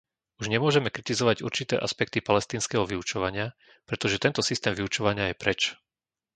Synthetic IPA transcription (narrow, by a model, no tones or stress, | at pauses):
uʒɲɛmʊɔʒɛmɛkɾit̪izɔʋaɟuɾt͡ʃit̪ɛ̰ːʔaspɛk̚t̪ipalɛst̪iːnskɛːɦɔʋiut͡ʃɔʋaɲɪa | pɾɛt̪ɔʒɛt̪ɛnt̪ɔsist̪ɛːmvʋiut͡ʃɔʋaɲɪajɛpɾɛt͡ʃ